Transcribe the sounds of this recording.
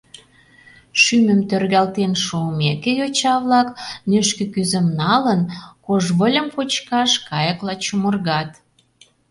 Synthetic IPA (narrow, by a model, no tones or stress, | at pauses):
ʃymə̆mt̪ørɣɑlt̪enʃuəmekejot͡ɕɑβlɑknøʃkə̆kyzə̆mnɑlənkoʒβəlʲə̆mpot͡ɕkɑʃkɑjəklɑt͡ɕumə̆rɣɑt̪